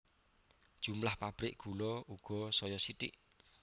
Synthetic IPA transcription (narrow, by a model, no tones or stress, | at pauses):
d̥ʒ̥umlahpab̥ɾɪʔɡ̥ulɔuɡ̥ɔ̤sɔjɔsit̪ɪ̰ʔ